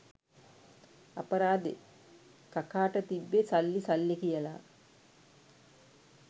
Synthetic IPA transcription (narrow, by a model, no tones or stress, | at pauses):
apəɾaːd̪ḛ | kakaːʈət̪iʋːesalːisalːikijəla̰